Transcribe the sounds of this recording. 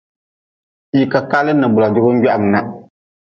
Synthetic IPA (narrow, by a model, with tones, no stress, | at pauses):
ji˨ka˨ka˦lɨ˦nɨ˨bʊ˨la˨dʊ˦bʊ˦ɡa˦ʔa˨m˨na˦